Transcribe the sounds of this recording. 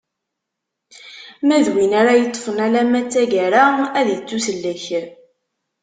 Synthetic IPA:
mæðwinaɾajət̪ˤːə̥fənælæmæt͡sːæʝæɾaæðt͡sːusəlːæç

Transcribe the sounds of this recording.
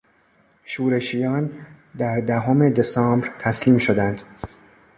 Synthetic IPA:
ʃuːɾe̞ʃijɒːn | d̪æɾd̪æɦome̞d̪e̞sɒːmbɾt̪ʰæsliːmʃo̞d̪ænd̪̥

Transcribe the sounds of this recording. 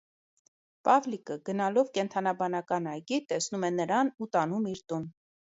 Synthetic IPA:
pɑvlikəɡənɑlɔvkɛnt̪ʰɑnɑbɑnɑkɑnɑjɡit̪ɛsnumɛnəɾɑnut̪ɑnumiɾt̪un

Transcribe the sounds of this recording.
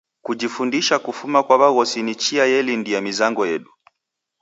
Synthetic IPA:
kud͡ʒifundiʃakufumakwaβaɣɔsinit͡ʃiajɛlindijamizaŋɡɔjɛɗu

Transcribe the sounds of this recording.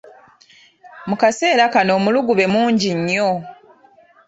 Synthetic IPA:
mukase̞ːɾakano̞ːmuluɡuβe̞muːɲɟiɲːo̞

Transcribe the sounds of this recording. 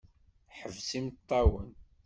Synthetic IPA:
ħəvsimt̪ˤːɑwən

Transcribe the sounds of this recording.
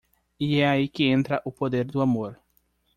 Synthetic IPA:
iɛaikɪẽnt̪ɾɐʔʊpod̪eɾd̪ʊamoɾ

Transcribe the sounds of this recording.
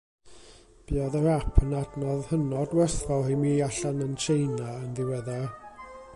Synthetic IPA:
b̥iɔðəɾapʰənadnɔðhənɔdwɛrθvɔhimiːaɬanənt͡ʃʰejnaənðɪwəðɛ

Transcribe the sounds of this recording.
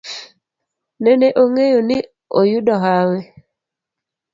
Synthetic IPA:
nɛneʔoŋejoni | o̰juɗɔɦawɛ

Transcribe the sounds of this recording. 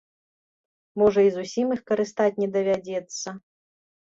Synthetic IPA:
mɔʐɐizusʲimɨxkɐɾɨst̪at͡sʲnʲɛd̪ɐvʲad͡zʲɛt̪sːɐ

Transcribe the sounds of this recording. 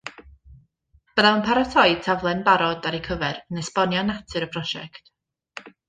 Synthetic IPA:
b̥əðaənpʰaɾatʰɔɨd̥̚tʰavlˠɛnbaɾɔdaɾikʰəvɛɾənɛspɔnjɔnatʰɨɾəpʰrɔʃɛ̰kt

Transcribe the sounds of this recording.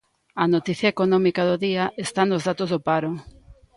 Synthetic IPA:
ɐnot̪iθjɐekonɔmikaðoðiaʔest̪anozðat̪ozðopaɾo

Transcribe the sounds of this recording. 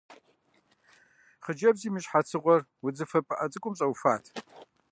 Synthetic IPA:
χəd͡ʒɐbziːmɨʃħat͡sʰɨʁʷɔrwʊd͡zɨfɐpʼɨʔɐt͡sʼɨkʷʼʊmɕʼɐwfaːtʰ

